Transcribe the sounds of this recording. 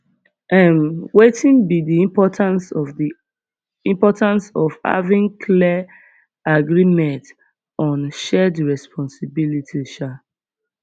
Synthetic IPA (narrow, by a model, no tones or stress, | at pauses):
ʔãnwetʰĩnbidiĩpɔtʰãnsɔvdi | ĩmpɔtãnsɔv̥ha̰vĩŋkʰlɛ | aɡɹimɛ̃nt | ɔ̃nʃɛdɹɛspʰɔ̃nsibilitʰiʃa